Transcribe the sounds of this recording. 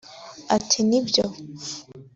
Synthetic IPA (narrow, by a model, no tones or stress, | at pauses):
atʰinibjo